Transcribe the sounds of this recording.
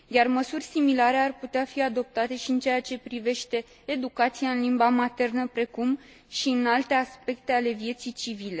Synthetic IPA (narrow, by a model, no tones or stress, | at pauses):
jarməsurʲsimilaɾe̞arput̪eafiad̪o̞p̚t̪at̪e̞ʃiɨnt͡ʃejat͡ʃe̞pɾive̞ʃt̪e̞ː | d̪ukat̪sijaɨnlimbamat̪e̞rnəpɾe̞kum | ʃiɨnalt̪e̞aspe̞kt̪e̞ale̞vje̞t̪sijt͡ʃivile̞